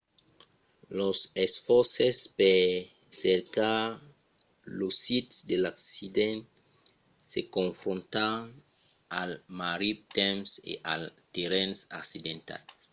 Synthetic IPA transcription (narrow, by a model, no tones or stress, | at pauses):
losesfɔɾsespe | seɾka | losit̪sd̪elaksid̪ẽnt | sekõɱfɾõnt̪aŋ | almaɾip̚t̪emsḛʔa̰lt̪eɾẽnsaksid̪ẽnt̪a̰l